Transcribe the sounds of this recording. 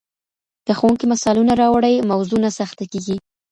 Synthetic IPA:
d̪̥əxouŋkimasɑlunaɾɑwaɽajmawzunasaxt̪akeɡi

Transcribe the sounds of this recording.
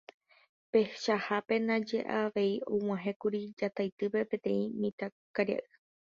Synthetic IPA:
pe̞ʃahape̞nãd͡ʒe̞ʔaʋe̞iõ̰w̃ãɦekuɾid͡ʒat̪ajt̪ɨpe̞pẽ̞t̪ẽ̞ĩmĩt̪a | kaɾja̰ʔɨ̥

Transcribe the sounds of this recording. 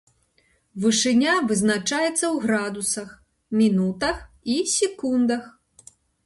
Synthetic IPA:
vɨʂɨnʲavɨznat͡ʂajɛt̪sːɐwɣɾad̪usɐx | mʲinut̪ɐx | isʲɛkund̪ɐx

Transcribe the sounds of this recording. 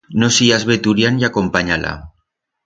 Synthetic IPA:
nosiazβet̪uɾjanjakompaɲalʔa̰

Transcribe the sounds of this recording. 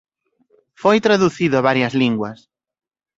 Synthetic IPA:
fojt̪ɾaðuθiðʊaβaɾjɐzliŋɡwɐs

